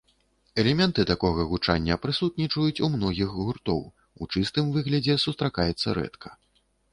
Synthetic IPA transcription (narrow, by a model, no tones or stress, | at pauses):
ɛlʲɛmʲɛnt̪ɨt̪akɔɣɐɣut͡ʂa̰nʲːɐpɾɨsut̪̚nʲit͡ʂɐjut͡sʲumnɔɣʲiɣɣurt̪ɔ̰w | ut͡ʂɨst̪ɨmvɨɣlʲɐd͡zʲɛsust̪ɾakajɛt̪sːɐɾɛ̰t̪kʰɐ̥